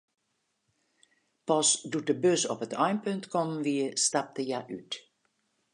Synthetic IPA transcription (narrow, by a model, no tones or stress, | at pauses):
pɔsdut̚dəbøsɔ̰pətʰɑjmpɵntkɔmʋiəstɑp̚təjaʔyt